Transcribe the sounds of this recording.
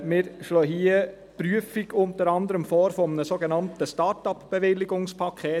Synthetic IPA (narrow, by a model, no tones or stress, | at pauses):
mɪɾʃloːɦiə | pɾyəfiɡʊnt̪əɾɑnd̪əɾəmfɔːɾfɔmənəsoɡenɑnt̪əstɑːɾtɑpb̥eʋɪlɪɡʊŋspʰɑkʰeː